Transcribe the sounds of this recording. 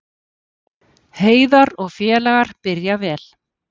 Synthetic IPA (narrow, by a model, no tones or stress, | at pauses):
heːjðaɾɔɣfjɛːlaɣaɾ̥pɪɾjavɛːl